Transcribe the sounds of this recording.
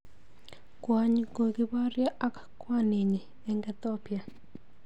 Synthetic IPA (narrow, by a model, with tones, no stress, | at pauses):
kwa˨ɲɡo˨ɡɪ˦ba˦ɾja˦ʔa˦kakwa˦ne˨ɲe˨ | ɛ˨ŋɡɛt̪ɔpja˨